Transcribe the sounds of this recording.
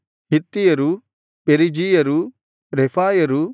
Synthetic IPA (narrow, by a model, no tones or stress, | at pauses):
ɦit̪ːijɐɾu | peɾid͡ʒijɐɾu | ɾepʰaːjɐɾu